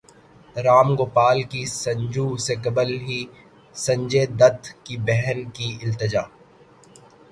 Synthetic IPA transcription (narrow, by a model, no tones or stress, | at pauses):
ɾaːmɡoːpaːlkisɐ̃ɲd͡ʒuːsekɐbəlɦi | sɐ̃ɲd͡ʒed̪ɐt̪ʰkibɛɦnkiɪlt̪ɪd͡ʒaː